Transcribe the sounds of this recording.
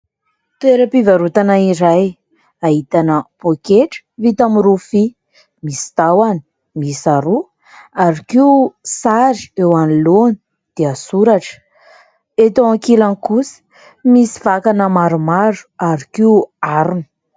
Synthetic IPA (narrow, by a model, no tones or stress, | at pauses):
t̪ueɾəpivaɾut̪anaiɾaj | aɦit̪anəpokeʈ͡ʂə̥vit̪amiɾufi | misi̥t̪awani̥ | misaɾu | aɾikiusaɾi̥ewaniloni̥ | d̪̥easuɾaʈ͡ʂə̥ | et̪oaŋkilanikusə̥ | misi̥vakanəmaɾumaɾu̥aɾikiuaɾunu̥